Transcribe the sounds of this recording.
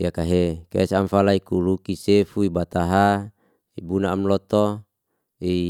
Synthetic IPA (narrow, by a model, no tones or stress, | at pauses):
jakaɦekḛsamfalaikulukisefuibat̪aɦa | ibunaːmlɔt̪ɔ | i